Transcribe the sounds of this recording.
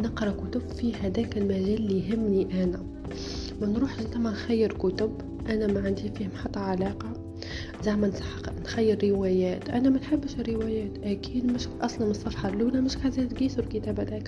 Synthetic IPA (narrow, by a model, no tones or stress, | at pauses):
nəqɾˤɑkʊt̪ʊbfiːhæd̪æːkɪlmæʒæːlːiɦɪmːniʔænæ | mɪnɾuːħʒɪnt̪amænxæjːɪɾkʊt̪ʊb | ʔænæmæʕand̪iːfiːhmħɑt̪ˤːɑʕalɑːqɑ | zaʕmænsɑ̥ħqnxæjːɪɾːɪwæjæːt̪ʔænæmænħabːʃrːɪwæjæːt̪ʔækiːd̪mɪʃʔɑsˤlɑnməsˤːɑfħɑɾluːlæmɪʃkazæːd̪ɡiːsʊɾkət̪æːbæd̪æːk